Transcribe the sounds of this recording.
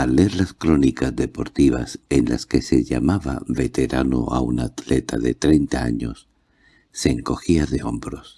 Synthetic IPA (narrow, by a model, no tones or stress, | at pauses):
alːe̞ɾlaskɾo̞nikazðe̞po̞ɾt̪iβase̞nla̰ske̞se̞ʎa̰maβaβe̞t̪e̞ɾano̰a̰unat̪le̞t̪aðe̞t̪ɾe̞jnt̪aaɲo̞sː | e̞ːŋko̞xiaðe̞o̞mbɾo̞s